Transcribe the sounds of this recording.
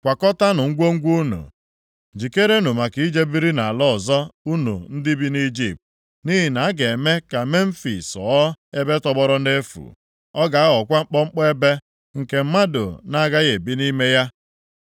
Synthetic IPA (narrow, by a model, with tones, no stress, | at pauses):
kʷa˨kɔ˦ta˦nʊ˨ŋ̩˦ɡʷo˦ŋ̩˦ɡʷu˦nṵ˨ | d͡ʒi˨ke˦ɾe˦nu˨ma˨ki˨˦i˦d͡ʒe˦bi˦ɾi˦na˨a˨lɔ˦ɔ˨zɔ˦u˦nṵ˨n̩˦dɪ˦bi˦ni˦d͡ʒi˨p̚t̚ | ni˦ɦi˨na˨a˦ɡe˨me˦ka˨me˦m̩˦fḭ˨sɔ̰˨˦e˦be˦tɔ˦bɔ˦ɾɔ˦ne˦fṵ˨ | ɔ˦ɡa˨a˦ɔ˨kʷa˦ŋ͡m̩˦k͡pɔ˦ŋ͡m̩˦k͡pɔ˦e˦be˦ | ŋ̩˨ke˨m̩˦ma˦dʊ̰˨na˦ɡa˦ɣe˨bi˦ni˦me˦ja˦